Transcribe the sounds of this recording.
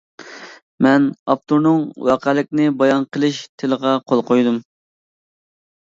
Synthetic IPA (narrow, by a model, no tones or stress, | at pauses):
mɛnɑp̚t̪uɾnɨŋwɑqʰælɪk̚ʲnɪbɑjɑnqʰəlˠɨʃt̪ʰɪləʁɑqʰolˠqojd̪um